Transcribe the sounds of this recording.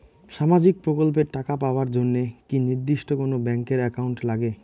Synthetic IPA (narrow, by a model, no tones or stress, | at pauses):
ʃamad͡ʑik̚pɾokolp̬eɾʈakapaoaɾd͡ʑonːekiniɾd̪iʃʈokonobɛŋkeɾɛkauɳʈlaɡe